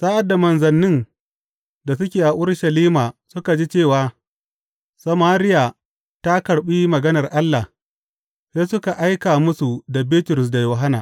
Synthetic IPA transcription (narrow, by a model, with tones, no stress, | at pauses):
saː˦ʔa˨da˨mɐ˨nzɐ˨nːɪ˦n | da˨sʊ˦kʲeː˨ʔa˨ʔʊ˦rʃɐ˨liː˦maː˨sʊ˦ka˨d͡ʒiː˦t͡ʃeː˦˨waː˨ | sɐ˨maː˦ɾɪ˦ja˨ | ta˦kɐ˨ɽɓi˦mɐ˨ɡɐ˦nɐ˨rʔa˦lːa˨ | seː˦sʊ˦ka˨ʔa˦jkaː˨mʊ˦su˨da˨biː˦tʊ˨ɾʊ˨s̬da˨joː˨ɦa˦na̰ː˨